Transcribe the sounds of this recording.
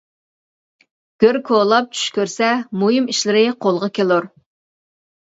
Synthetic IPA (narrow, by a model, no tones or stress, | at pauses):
ɡ̥ʲøɾkʰolˠɑp̚t͡ʃʰy̥ʃkʲøɾsɛmujimiʃlɪɾɪqʰolˠʁɑkʲʰelˠʊɾ